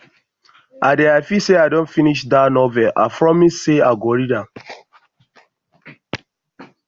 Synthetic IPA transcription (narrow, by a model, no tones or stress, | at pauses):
adɛaɪfiseadɔ̃nfiniʃdanɔvɛʔa̰fɹɔmisseaɡɔɾidã